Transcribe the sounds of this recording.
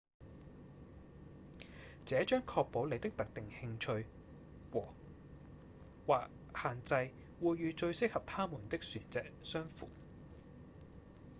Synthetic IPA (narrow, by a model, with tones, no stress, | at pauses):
t͡sɛː˨˥t͡ʃœː˥ŋkʰɔː˧k̚po˨˥wle˨˧jt̪ɪ˥k̚t̪ɐ˨k̚t̪ɪ˨˩ŋhɪ˧ŋt͡ʃʰɵ˧ɥ | wɔː˨˩ | waː˨k̚ | haː˨nt͡sɐ˧j | wuː˨jːyː˨˧t͡ʃɵ˧ɥsɪ˥k̚hɐ˨p̚t̪ʰaː˥muː˨˩nt̪ɪ˥k̚syː˨˩nt͡sɛː˨˩k̚sœː˥ŋfṵː˨˩